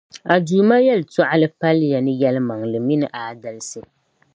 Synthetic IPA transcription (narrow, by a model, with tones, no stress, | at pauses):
a˨duː˨ma˦jɛ˦lɨ˨ta˦ʔa˦lɨ˦pa˦lja˨nɨ˦jɛ˦lɨ˦ma˨ŋlɨ˨mi˦nɨ˨ʔaː˨da˦lɨ˦sɨ˨